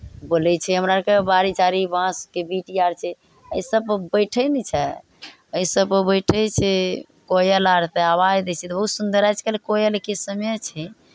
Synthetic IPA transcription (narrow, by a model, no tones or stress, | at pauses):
bolɛt͡ʃʰɛɦəmɾakebaɾit͡ʃaɾibãskebiʈiaɾt͡ʃʰɛ | əjsəb̚bəjʈʰəjnit͡ʃʰɛ | əjsəbpəbəjʈʰɛt͡ʃʰɛ | kojəlaɾt̪eabad͡ʒd̪ɛt͡ʃʰɛt̪ɔbəɦusund̪əɾajt͡ʃʰkelekojəlekisəmet͡ʃʰɛ